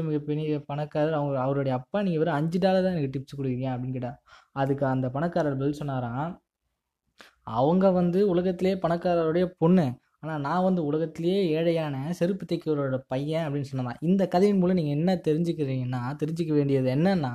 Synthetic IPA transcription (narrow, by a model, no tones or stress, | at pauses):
ɯmɪɣɐpːɪnɪɐpɐɳɐkːaːɾɐɾɐʋɐŋɡɐɐʋɐɾoːɽɐjɐɐpːaːniːŋɡɐʋɐɾɐ̃ɐɲd͡ʒɯʈaːlɐt̪ːãːɛnɐkːɯʈɪp̚sɯkːɔɽɯkɪɾɪŋɡẽɐpɐɽɪnːkɪɽaː | ɐðɯkːɐnd̪ɐpɐɳɐkːaːɾɐɾbɛlːsɔnːaːɾãː | ɐʋɐŋɡɐʋɐnd̪ɯʊlɐɣɐt̪ːɪlɐjeːpɐɳɐkːaːɾɐɾɯɽɐjɐpɔɳːɯ | aːnaːnãːʋɐnd̪ɯʊlɐɣɐt̪ːɪlɐjeːeːɻɐjaːnɐsɛɾɯpːɯt̪ːɐɪkːɯʋɐɾoːɽɐpɐjɛ̃ɐpɐɽɪnːsɔnːɐnã̰ːʔɪnd̪ɐkːɐðɐjɪnmuːlɐ̃niːŋɡɐɛnːɐt̪ɛɾɪɲd͡ʒɯkːɪɾɾiːŋɡɐnːaːt̪ɛɾɪɲd͡ʒɯkːɐʋeːɳɖɪjɐðɯɛnːɐnːãː